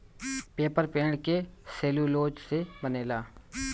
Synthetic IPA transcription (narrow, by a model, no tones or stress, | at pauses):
peːpəɾpẽːɳɖkeseːluloːd͡ʒsebəneːlaː